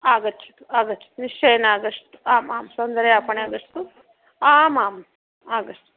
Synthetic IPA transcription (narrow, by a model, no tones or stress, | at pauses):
aːɡɐt͡ʃʰi̥t̪u̥aːɡɐt͡ʃʰi̥t̪uniʂt͡ʃejnaːɡɐʂt̪u̥aːmaːmsɐnd̪ɐɾɐjaːpɐɳeaːɡɐʂt̪u | aːmaːm | aːɡɐʂʈu